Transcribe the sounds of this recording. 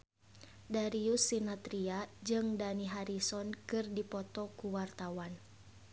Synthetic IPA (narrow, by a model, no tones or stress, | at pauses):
daɾiusːinat̪ɾiad͡ʒɨŋdaniɦaɾisɔnkɨrdipɔt̪ɔkuwart̪awan